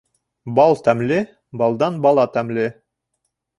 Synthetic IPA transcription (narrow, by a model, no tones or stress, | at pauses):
bɑlˠt̪æmlɘ | bɑlˠd̪ɑnbɑlˠɑt̪æmlɘ